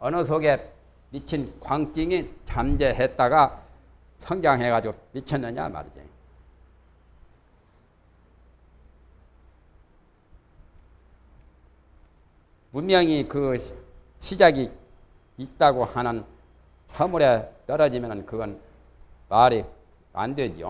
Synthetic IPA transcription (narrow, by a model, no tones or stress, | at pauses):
ʌnɯs̬ʰoɡe̞ | mit͡ɕʰinkwaŋt͡ɕ͈iŋit͡ɕamd͡ʑe̞ɦet̚t͈aɡa | sʰʌŋɡaŋɦeɡad͡ʑiɡomit͡ɕʰʌnːɯɲa̰ma̰ɾd͡ʑḭ | punmjʌŋikɯ | ɕʰid͡ʑaɡi | it̚t͈aɡohanɯn | sʰʌmuɾe̞tʌɾʌd͡ʑimjʌnɯnkɯɡʌn | paɾi | a̰ndwed͡ʑo̰